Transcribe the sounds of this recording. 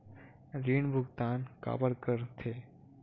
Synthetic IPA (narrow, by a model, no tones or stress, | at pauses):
ɾiːɳbʱʊɡt̪aːnka̰ːbəɾkəɾt̪ʰe